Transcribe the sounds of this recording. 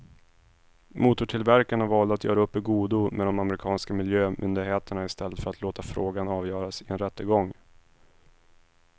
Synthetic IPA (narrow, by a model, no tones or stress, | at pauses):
muːt̪ʊʈʰɪlvæɾkaɳavɑːld̪əat̪jœ̰ːɾaɵpːɛɡuːd̪ʊmʔɛd̪ɔmaməɾɪkʰɑːnskamɪljøːmʔʏ̰nd̪ɪɡheːt̪əɳaɪst̪ʰɛlːət̪fœɾat̪ʰloːt̪afɾoːɡanɑːvjœːɾasɪɛnɾɛt̪ːəɡɔŋː